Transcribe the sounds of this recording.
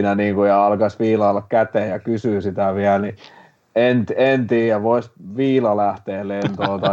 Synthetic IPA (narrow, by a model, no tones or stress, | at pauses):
næniːŋkujɑɑlkɑsʋiːlɑːlːɑkkæt̪ejɑkysyˑːsit̪æʋiælni | ent̪ent̪iːjæʋoisʋiːlɑlæht̪eːlent̪oːt̪ɑ